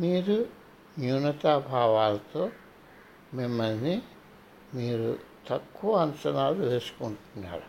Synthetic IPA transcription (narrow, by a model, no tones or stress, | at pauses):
miːɾu | njuːnɐt̪aːbʱaːʋaːlɐt̪o̞ː | mimːɐlni | miːɾut̪ɐkːuʋɐɐnsɐnaːluʋe̞ːsu̥kuɳʈunːa̰ːɾu